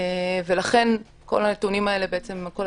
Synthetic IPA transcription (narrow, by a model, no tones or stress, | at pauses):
ve̞laχe̞n | ko̞̰lanet̪unimae̞lebeet͡semko